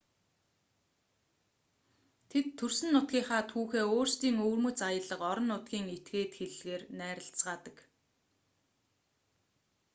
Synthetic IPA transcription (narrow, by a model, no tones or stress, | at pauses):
t̪ʰet̪ʰːɵrsɘ̆nːʊt̪̚ɡʲiːŋχaːt̪ʰuːxeːoːrst̪iːŋɵːrmɵ̆t͡sajə̆ɮə̆qɔɾɞ̆nːʊt̪ɡʲiːŋet̪ɡeːt̪xeɮɣeːrnæːɾə̆ɬt͡sɢaːt̪ə̆k